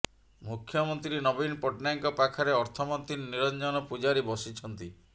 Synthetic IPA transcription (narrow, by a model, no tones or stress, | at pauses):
mukʰjɔmɔnt̪ɾiinɔbinpɔʈnaŋkɔpakʰaɾeɔɾt̪ʰɔmɔnt̪inːiɾɔnd͡ʒɔnɔpud͡ʒaɾibɔsit͡ʃʰɔnt̪i